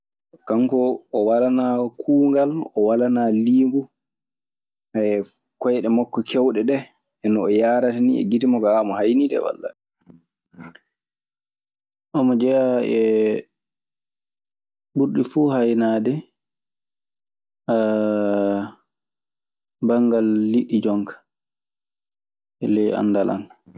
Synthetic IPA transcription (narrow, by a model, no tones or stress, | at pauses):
kaŋkɔɔwalanakʰuːŋɡalɔwalanaliːŋɡu | ha | kɔjɗɛmakːɔkʰɛwɗɛɗɛ | ɛnɔːjaːɾataniɛ̰ɡitimɔɡaamɔhajnidɛ̰wa̰lːa̰ | ʔɔmɔd͡ʒɛjaɛ | buɾɗifuhajnaːdɛ | a | baŋɡalːiɗːid͡ʒɔŋkḁ | ɛlɛja̰nːdala̰n